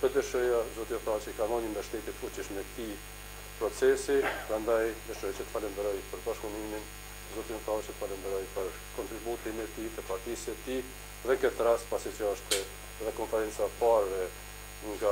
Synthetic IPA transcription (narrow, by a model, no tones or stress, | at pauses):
pɛd̪əʃɔjazɔt̪iɔθat͡ʃəkamɔnimd̪əɾʃt̪ɛt̪it̪fut͡ɕiʃmɛkt̪i | pɾɔt͡sɛsipɾand̪ajd̪əʃɔjat͡ʃət̪ə̥falɛnd̪əɾɔjpəɾbaʃpunimin | zɔt̪iɔθat͡ʃət̪ə̥falɛnd̪əɾɔjpəɾ | kɔnt̪ɾibut̪imɛt̪it̪əpaɾt̪isɛt̪i | ðɛŋkɛt̪ːəɾaspasit͡ʃəɔʃt̪ɛ | ɛðɛkɔnfɛɾɛnt͡sapaɾvɛ | ŋɡa